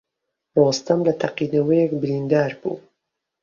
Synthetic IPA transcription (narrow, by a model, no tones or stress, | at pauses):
rost̪ɐmlɐt̪ʰaqiːnɐwɛjɛkbɨɾind̪aːɾbṵː